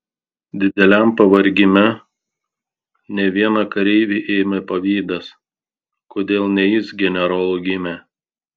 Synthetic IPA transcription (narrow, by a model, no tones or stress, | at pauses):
d̪ʲɪd̪ʲɛlʲæˑmpɐʋɐɾʲɡʲɪmʲɛ | nʲɛʋʲiɛnɐkɐɾʲɛɪʋʲiʔeːmʲɛpɐʋʲiːd̪ɐs | koːd̪ʲeːlˠnʲɛjɪsɡʲɛnʲɛɾolˠʊɡʲɪmʲæ